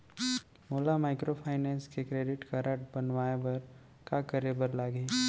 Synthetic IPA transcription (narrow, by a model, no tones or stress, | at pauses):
moːlamaːɪkɾopʰaːɪnɛ̃ːnskekɾeːɖɪʈkaɾəʈ̚bɐnʋaːebɐɾ | kakəɾebəɾlaːɡeː